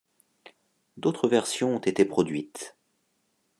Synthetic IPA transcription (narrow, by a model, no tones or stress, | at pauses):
d̪ot̪χəvɛʁsjɔ̃ɔ̃t̪et̪epχɔd̪ɥit̪